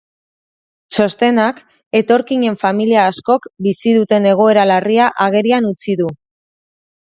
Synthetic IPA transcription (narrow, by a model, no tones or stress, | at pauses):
t͡ʃo̞st̪e̞nak | e̞t̪o̞ɾkiɲe̞ɱfamiliaːsko̞kbisiðut̪e̞ne̞ɣ̞o̞e̞ɾalariaʔaɣ̞e̞ɾianut͡siðu